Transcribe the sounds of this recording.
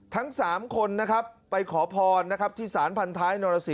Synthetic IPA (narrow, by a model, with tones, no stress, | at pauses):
t̪ʰa˦˥ŋsaː˩˦mkʰo˧nːa˦˥kʰa˦˥pːa˧jkʰɔː˩˦pʰɔː˧nːa˦˥kʰa˦˥p̚t̪ʰiː˥˩saː˩˦npʰa˧nt̪ʰaː˦˥jnoː˧ɾa˧si˨˩